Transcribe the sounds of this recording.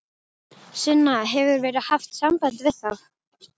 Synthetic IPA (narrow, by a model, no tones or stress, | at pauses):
sɪnːaɦɛvʏɾvɛːɾɪðhaft̪sampajnt̪vɪðθaf